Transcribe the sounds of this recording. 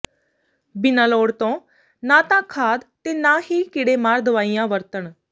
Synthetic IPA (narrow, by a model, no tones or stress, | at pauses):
bɪnãːloːɽt̪õː | nãːt̪ãːkʰaːd̪t̪eːnãːɦiːkɪɽeːmaːɾd̪əʋaːijãːʋəɾt̪əɳ